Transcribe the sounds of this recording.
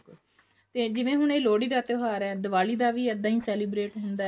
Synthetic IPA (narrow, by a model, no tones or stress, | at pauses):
kl | t̪eːd͡ʒɪʋẽːɦʊɳeːloːɽiːd̪aːt̪ɪɦaːɾɛːd̪əʋaːliːd̪aːʋiːəd̪ãːiːsɛːliːbɾeːʈɦʊnd̪aː